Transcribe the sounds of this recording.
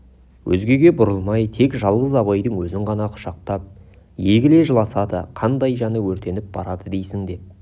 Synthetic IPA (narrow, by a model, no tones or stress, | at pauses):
wʔɵ̰zɡʲe̞ɡʲe̞bʊɾəlˠmɑjt̪ʰe̞kʒɑlˠʁəzɑbɑjd̪əɴwɵzɪɴʁɑnɑqʰʊ̥ʃɑq̚t̪ɑp̚ | je̞ɡʲɪle̞ʒəlˠɑsɑd̪ə̰qʰɑnd̪ɑjʒɑnəwɵɾt̪e̞nɪp̚bɑɾɑd̪əd̪e̞jsɪŋd̪e̞p̚